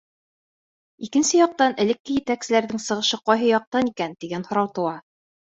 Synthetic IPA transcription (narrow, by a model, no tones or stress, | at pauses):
ikɘ̆nsɘjɒq̚t̪ɑnɘ̆lɘ̆kːɘjɘ̆t̪æksɘ̆læɾðɘŋsɤ̆ʁɤ̆ʃɤqɑjɦɤjɒq̚t̪ɑnikænt̪iɡænhŏɾɑwt̪ɤ̆wɑ